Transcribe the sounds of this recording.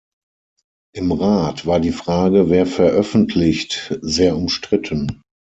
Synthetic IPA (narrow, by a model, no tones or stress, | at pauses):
ʔɪmʁaːtv̥aːɐdiːfʁ̥aːɡəveːɐfɛɐʔœfn̩tʰlɪçtzeːɐʊmʃtʁ̥ɪtʰən